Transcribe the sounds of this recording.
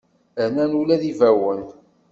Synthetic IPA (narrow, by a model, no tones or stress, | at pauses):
ænænulæðivæwəl